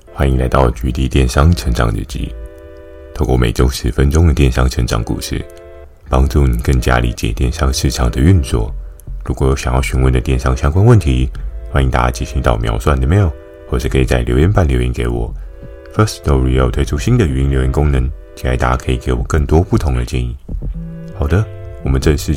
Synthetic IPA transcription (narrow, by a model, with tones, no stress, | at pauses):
xwa˥nĩ˧ŋla̰˧˥ɪt̪ɑ˥˩ʊ˩t͡ɕy˧˥t̪i˧˩t̪jɛ˥˩nʂɑ˥ŋʈ͡ʂʰə˧˥ŋʈ͡ʂɑ̰˨˩˦ŋɻɻ̩̰˥˧˩t͡ɕḭ˧˥ | t̪ʰo˥˧ʊkʷwɔ˥˩me˨˩ɪʈ͡ʂo˥ʊʂɻ̩˧˥fə˥nʈ͡ʂʊ˥ŋd̪ə˨t̪jɛ˥˩nʂɑ˥˩ŋʈ͡ʂʰə˧˥ŋʈ͡ʂɑ̰˨˩ŋkṵ˨˩ʂɻ̩̰˥˩ | pɑ˥ŋʈ͡ʂu˥˩ni˨˩kə˥˩ŋt͡ɕja̰˥lḭ˧˥t͡ɕjɛ̰˨˩t̪jɛ˥˩nʂɑ˥ŋʂɻ̩˥˩ʈ͡ʂʰɑ˨˩ŋd̪ə˨˦y˥˧nt͡swɔ˥˩ | ɻu˧˥kwɔ˨˩jo˧˥ʊɕjŋjɑ˥˩ʊɕy˧˥nwə˥˩nd̪ə˩t̪jɛ˥˩nʂɑ˥ŋɕjɑ˥ŋkwa˥nwə˥˨nt̪ʰi˧˥xwa˥˧ni˧˨˩t̪a̰˧˦t͡ɕi˥˩ɕi˧˥ŋt̪ɑ˥˩ʊmjɑ̰˧˥ʊswa˥˩nd̪ə˨˩me˧˥ɪ˥j | xwɔ˥˧ʂɻ̩˥˩kʰɤ˧˥i˨˩t͡sa˥˩ɪljo˧˥ʊjɛ˥npa˥˩nljo˧˥i˧˥ŋke˧˥ɪwɔ̰˨˩˦ | fə˥˩st̪ɔ˥˧˥ɻi˧˩˧jo˨˩ʊt̪ʰe˥ɪʈ͡ʂʰu˥ɕi˥nd̪ə˨y˨˩i˧˥nljo˧˥ʊ˧˥ŋkʊ˥ŋnə˧˦ŋt͡ɕʰi˨˥la̰˧˥ɪt̪a̰˧˥kʰɤ˧˥i˨˩ke˧˥ɪwɔ˨˩kə˥˩ŋt̪wɔ˥pu˥˩t̪ʰʊ˧˥ŋd̪ə˧t͡ɕjɛ̰˥˧nḭ˥˩ | xɑ˨˩ʊd̪ə˦ | wɔ˨˩mə˦nʈ͡ʂə˥˧ʂɻ̩˥˩